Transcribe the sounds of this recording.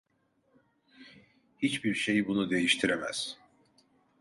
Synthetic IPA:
hit͡ʃbiɾʃe̞jibunud̪e̞jiʃt̪ʰiɾemæ̰z̥

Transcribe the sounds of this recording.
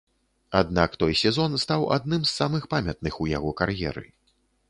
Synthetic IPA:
ad̪nakt̪ɔjsʲɛzɔnst̪awa̰d̪̚nɨmsːamɨxpamʲɐt̪̚nɨxuja̰ɣɔkarjɛ̰ɾɨ̰

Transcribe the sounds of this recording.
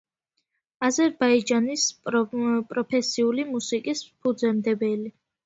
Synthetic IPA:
azɛɾbaid͡ʒanis | pʼɾɔpʰɛsiulimusikʼispʰud̪zɛmd̪ɛbɛli

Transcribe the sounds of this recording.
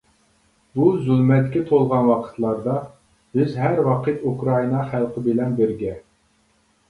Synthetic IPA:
buzulmɛt̪kʲɛt̪ʰolˠʁɑnwɑqʰə̥t̪ʰlˠɑɾd̪ɑ | bɪzɦæɾwɑqʰət̪ukɾɑinɑχælˠqʰəbɪlɛnbɪɾɡʲɛ

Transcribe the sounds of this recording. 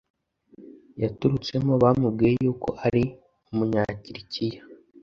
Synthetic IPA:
jatuɾut͡se̞moβaːmubɡiːjejuːko̞ʔaɾi | umuɲaːciɾicija

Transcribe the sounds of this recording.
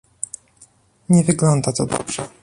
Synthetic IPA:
ɲɛvɘɡlɔnd̪at̪ɔd̪ɔ̰b̥ʐ̥ɛ

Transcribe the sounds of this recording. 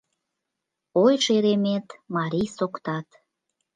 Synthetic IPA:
ojʃeɾemet̪mɑɾʲijsokt̪ɑt̪

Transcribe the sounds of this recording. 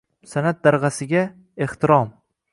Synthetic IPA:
sanat̪̚d̪aɾʁɑsɪɡʲa | e̞ht̪ʰɪɾɒm

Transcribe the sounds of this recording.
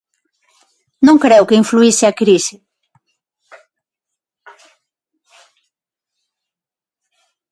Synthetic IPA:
nõŋkɾɛwkɪiɱfluisɪɐkɾisɪ

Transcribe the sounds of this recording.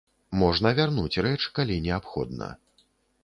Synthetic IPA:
mɔʐnɐvʲarnut͡sʲrɛt͡ʂkalʲinʲɛapxɔ̰d̪nɐ̰

